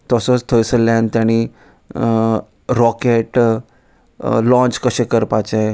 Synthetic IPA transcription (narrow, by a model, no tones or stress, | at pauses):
t̪əsət͡st̪ʰəjsəlːant̪jaɽ̃i | ɾɔkeʈ | lɔ̃t͡ɕkəɕẽkəɾpat͡ɕae